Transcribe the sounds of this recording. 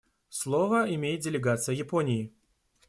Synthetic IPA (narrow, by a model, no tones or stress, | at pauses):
slˠovəɪmʲejɪt̪̚dʲɪlʲɪɡat̪sɨjəjɪponʲɪː